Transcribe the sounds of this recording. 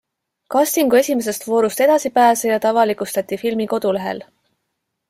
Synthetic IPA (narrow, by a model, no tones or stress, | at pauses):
kɑst̪iŋɡue̞sʲime̞s̬e̞st̪vo̞ːɾust̪e̞d̪̥ɑsipæːsejɑt̪ɑvɑlikust̪ɑt̪ʲːifilmiko̞d̪̥ule̞ɦe̞̰l